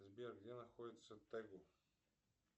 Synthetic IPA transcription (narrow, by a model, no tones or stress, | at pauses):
zbiɾəɡd̪ɛnɐxɔd̪it̪sɛt̪ːɛɡo